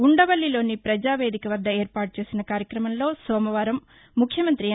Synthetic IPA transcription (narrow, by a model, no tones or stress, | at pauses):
uɳɖɐʋɐlːilo̞ːnipɾɐd͡ʒaːʋe̞ːd̪ʱikɐʋɐɾd̪ːɐeːɾpaːʈut͡ʃe̞ːsinɐkaːɾjɐkɾɐmɐmlo̞ːsɔːmɐʋaːɾɐmː | ukʰjɐmɐnt̪ɾi